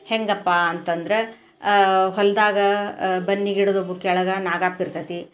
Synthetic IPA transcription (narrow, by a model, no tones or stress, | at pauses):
heŋɡɐpːaɐnt̪ɐnd̪ɾe | ɦɔld̪aːɡɐbɐnːiɡiɽod̪obukɛɭɐɡɐnaːɡaːpiɾt̪ɐt̪i